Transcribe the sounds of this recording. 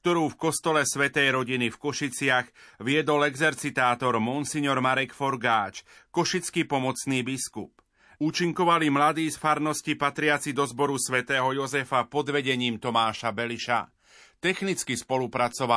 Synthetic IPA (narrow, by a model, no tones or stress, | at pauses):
k̚t̪ɔɾuːfkɔst̪ɔlɛsʋɛt̪ɛjɾɔɟinifkɔʃit͡sɪaɣʋɪɛd̪ɔlɛɡzɛɾt͡sit̪aːt̪ɔɾmɔnsiɲɔɾmaɾɛkfɔɾɡaːt͡ʃkɔʃit͡skipɔmɔt͡sniːbiskup | uːt͡ʃiŋkɔʋalimlad̪iːsfaɾnɔscipat̪ɾɪat͡sid̪ɔzbɔɾusʋɛt̪ɛːɦɔjɔzɛfapɔd̪ʋɛɟɛɲiːmt̪ɔmaːʃabɛliʃa̰ | t̪ɛxnit͡skispɔlupɾat͡sɔʋa